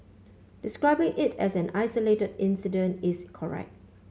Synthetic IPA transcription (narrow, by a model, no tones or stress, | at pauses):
d̥ɪskɹaɪbɪ̃ŋʔɪtʰɛsɛ̃naɪsəletədɪ̃nsidə̃ntɪskʰɔɹɛ̰k̚t̚